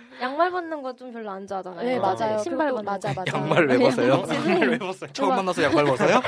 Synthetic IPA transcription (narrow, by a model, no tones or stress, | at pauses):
jaŋmaɭbʌnːɯnɡʌt͡ɕ͈omkjʌɭːoand͡ʑadanaead͡ʑajoɕʰimbaɭʌnjaŋmaɭwebʌs͈ʌjojaŋmaɭwebʌs͈ʌjot͡ɕʰʌɯmanːasʰʌjaŋmaɭbʌs͈ʰʌjo